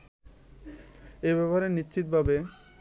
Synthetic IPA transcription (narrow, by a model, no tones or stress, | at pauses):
ebɛpaɾenit͡ɕit̪̚bʱabe